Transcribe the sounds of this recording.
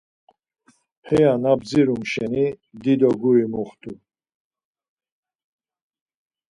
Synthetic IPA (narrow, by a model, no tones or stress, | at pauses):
hɛjanab̚d͡ziɾumʃɛnid̪id̪ɔɡuimuχt̪ʰʼu